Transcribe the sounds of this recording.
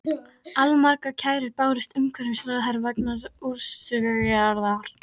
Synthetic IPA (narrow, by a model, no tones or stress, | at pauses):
almaɾkacʰaːjɾɪɾpaːwɾɪst̪ʏmkʰvɛɾɪsɾaðɦaɾvaknasuɾsʏɣɣɛaɾðaɾ̥